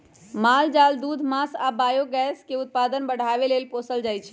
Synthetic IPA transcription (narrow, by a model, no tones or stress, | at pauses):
mald͡ʒald̪ud̪ʱmasabajoɡɛskeut̪̚pad̪ənbəɽ̤ʱabelelposəld͡ʒajt͡ʃʰ